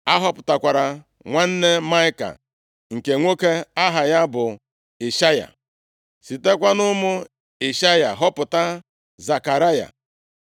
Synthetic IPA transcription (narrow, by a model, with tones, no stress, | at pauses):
a˦ɦɔ˦pʊ̥˨ta˨kʷa˨ɾa˨ | ŋʷa˦n̩˦ne˦ma˦ɪ˦ka̰˨ | ŋ̩˨ke˨ŋʷo˦ke˦a˦ɦa˨ja˦bʊ˨ | e˨ʃa˦ja̰˨ | si˨te˦kʷa˦nʊ˦mʊ˦ | e˨ʃa˦ja˨ɦɔ˦pʊ˨ta˦ | za˨ka˨ɾa˦ja̰˨